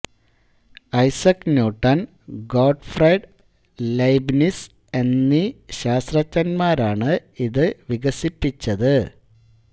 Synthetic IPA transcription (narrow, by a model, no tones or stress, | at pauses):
ɐjsɐknuːʈːɐn | ɡoːɖfrɐjɖ | lɐjbnis | e̞nːiɕaːst̪rɐt͡ɕːɐnmaːɾaːɳɨiðɨʋiɣɐsipːit͡ɕːɐðɨ